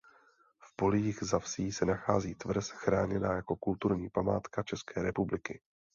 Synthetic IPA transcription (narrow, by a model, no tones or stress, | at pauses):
fpo̞liːɣzafsiːsɛnaxaːziːt̪vr̩sxɾaːɲɛnaːjako̞kult̪uɾɲiːpamaːt̪kat͡ʃɛskɛːɾɛpublɪkɪ